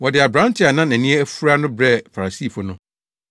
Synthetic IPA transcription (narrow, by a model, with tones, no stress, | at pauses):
wɔ˨dɪ˨a˨bɾã˦ntʰɪ˦a˨nã˦næ̃˨nĩ˦ɛ˦æ˦fu˦ɾa˦nʊ̃˦bɾɛ˦fa˨ɾa˨si˦˨fʊ˦nʊ̃˦